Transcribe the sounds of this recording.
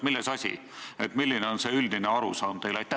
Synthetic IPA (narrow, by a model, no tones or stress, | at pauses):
milːesɑsʲḭ | e̞t̪milːineo̞nse̞yld̪ine̞ɑɾusɑːnt̪e̞jlɑjt̪ːˑæ